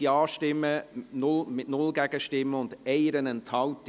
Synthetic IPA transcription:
iɑːʃtɪmːənʊlmɪtnʊlɡɛɡ̥əʃtɪməʊnd̥ɛɪəɾənɛntʰɑʊt

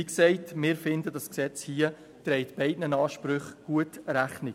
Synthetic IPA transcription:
iksɛɪtmɪːɾfɪndədɑsksɛt͡shiːə | tɾɛɪtb̥ɛɪdnənɑːʃpɾʏχɡ̥uətɾæχni

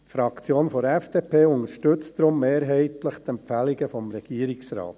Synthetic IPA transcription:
tfɾɑkt͡sjoːnfɔɾɛfd̥eːpʰeːʊŋəɾʃtɵt͡stdɾʊmːeːɾɦɛɪtləχt̪ɛmpfæliɡəfɔmɾɛɡ̥iəɾɪksɾɑ̰ːt

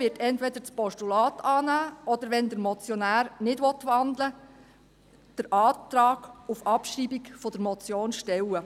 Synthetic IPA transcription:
ɪːtʰɛntʋɛdəɾt͡spɔʃtulɑːtʰɑːnæːɔd̥əɾʋɛnd̪əɾmɔt͡sjɔnæːɾnɪdʋɔt̪ʋɑnd̪lə | d̥əɾʔɑːt̪ɾɑːɡ̥ufɑpʃribikfɔd̥əɾmɔt͡sjoːnʃtɛwə

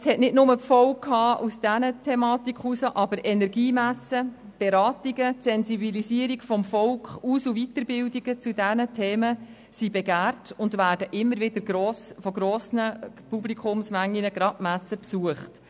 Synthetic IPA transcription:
əshɛtnɪtnʊməpfɔʊkʰhɑːʔusd̥ænətʰɛmɑːtikχusəʔɑbəɾʔɛnɛɾɡiːmæsːəb̥eɾɑːtiɡəsɛnsibilisiəɾiɡfɔmfɔlkχuːsuvitəɾbɪldiɡ̥ət͡sudɛnətʰeːmə | sibɛɡæːrtʊndʋæːd̥əʔɪmːəɾʋɪdəɾɡɾɔːsfɔɡ̥ɾɔːsnəpublikχʊmsmæŋːinəɡɾɑmæsːəpsuəχt

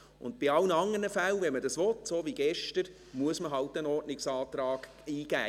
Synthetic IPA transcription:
ʊ̰ntbɪɑlnəɑŋːənəfælvɛnmədɑsʋɔtsoːviɡ̥ɛʃtəɾ | muəsməɦɑltənɔrtnɪksɑːtɾɑːɡ̥ | iːɡ̥æː

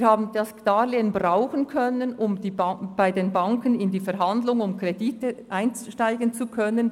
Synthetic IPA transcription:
haːbn̩dɑsd̥aːleːənbraʊxən̩kʰœnənʔʊmd̥iːb̥aɪdeːnbaŋkənɪndiːfɛɾɦandlʊŋʊmkreditəʔaɪnt͡sʃtaɪɡənt͡sukʰœnən

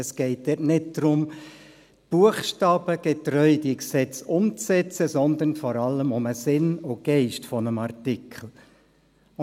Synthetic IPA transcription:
əsɡ̥ɛɪt̚d̪ɛtnɪd̚d̪̥ɾʊm | b̥uəχʃtɑːb̥əɡ̥ɛt̪rœʏdiksɛt͡sʊmt͡sɛt͡səsɔnd̪ənfɔɾɑlːəmʊməsɪnʊɡ̥ɛɪʃtfɔnəmɑrtɪkʰl̩

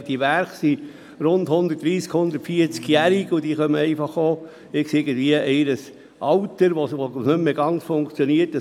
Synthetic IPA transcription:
d̥iəʋæɾχsi | ɾʊnd̪hʊnd̪ətdɾiːskhʊnd̪ətfiəɾt͡skjæɾiɡud̥iːχœməɛɪfɑχoː | ɪksɪɾɡən̩dviəʔɛɪɾəs | ʔɑwtəɾʋosʋonʏmːeɡɑnt͡sfoŋkt͡sjɔniəɾtə

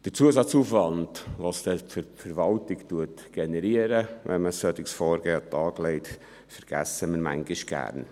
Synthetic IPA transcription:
d̥əɾt͡suəsɑt͡suːfvɑndʋɑːsd̥ɛfəfəɾvɑltɪktuət | ɡ̥enɛɾiəɾəʋʔɛ̰nməsœt̪ɪksfɔːɾɡ̥eːɑtɑːɡlɛɪt | fɛɾɡ̥æ̰səmɪɾmæ̰ŋɡɪʃɡ̥æ̰ːrn

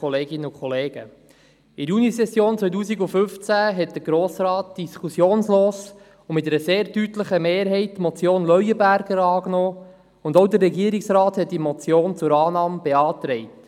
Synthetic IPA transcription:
ɔleːɡɪnəʊkʰχɔleːɡ̥ə̰ | ɪɾjunisɛsjoːnt͡sʋœjt̬uːsiɡʊfʏft͡sæɦɛt̚d̥̪əɾɡ̥ɾoːsɾɑːt̚d̥iskʰusjoːnsloːs | ʊmɪt̪ɛɾəseːɾtytləχəmeːɾɦɛɪtːmɔt͡sjoːnlœɥəbæɾɡəɾɑːknɔː | ʊndowdərːɛɡiːəɾɪksɾɑːthɛt̚d̥imɔt͡sjoːnt͡sʊɾɑːnɑːmb̥eɑːt̪ɾɛɪt

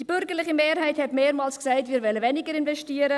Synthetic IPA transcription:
d̥ib̥ʏɾɡəɾlɪχimeːɾhaɪthɛtmeːɾmɑːlsksaɪtmiːɾvɛləvɛnɪɡəɾɪnvɛʃtiːəɾə

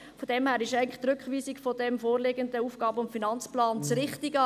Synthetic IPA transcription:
fodɛmhæːɾɪʃɛɪən̩lɪχt̪rɾʏkχʋiːsikfɔdɛmfoːɾlɪɡəndəuːfɡ̥ɑːbəʊmfinɑnt͡splɑːnt͡sɾɪχtiɡə

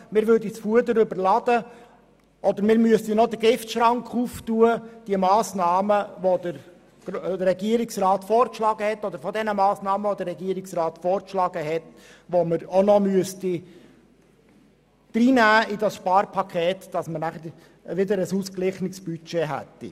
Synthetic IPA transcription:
mɪːɾʋøɾdit͡sfuədəɾʏbəɾlɑd̥̪ə | ʔɔd̪əɾmɪːɾmyəstinɔd̪əɡɪftʃɾɑŋkʰχuftuəd̥iəmɑːsnɑːməʋod̪əɾ | ɡ̥dəɾɛɡiəɾɪksrɑːt̪fɔːɾkʃlɑːɡəhɛt̪ːɔd̪əɾfɔdɛnəmɑːsnɑːməʋod̪əɾːɛɡiəɾɪksrɑːt̪fɔːɾkʃlɑːɡ̥əɦɛt | ʋoməɾonɔmyəsti | d̥ɾiːnæːidɑsʃpɑːɾpʰɑkʰeːtd̥ɑsməɾnæχəɾ | ʋɪdəɾəsuːsklɪχnɪksb̥yt͡ʃɛɦæ̰t̪ːḭ

